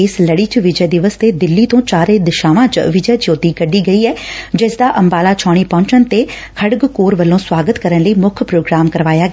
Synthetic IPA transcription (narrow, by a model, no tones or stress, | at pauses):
ɪsləɽiːt͡ʃʋɪd͡ʒɛːd̪ɪʋəst̪eːd̪ɪlːiːt̪õːt͡ʃaːɾẽːd̪ɪʃaːʋãːt͡ʃʋɪd͡ʒɛːd͡ʒoːt̪iːkəɖiːɡəiːɛːd͡ʒɪsd̪aːʔəmbaːlaːt͡ʃʰaːɽ̃iːpɔ̃ːɲt͡ʃənt̪eː | kʰəɽɡkoːɾʋəlːõːswaːɡət̪kəɾənləiːmʊkʰpɾoːɡɾaːmkəɾʋaːjaːɡɛ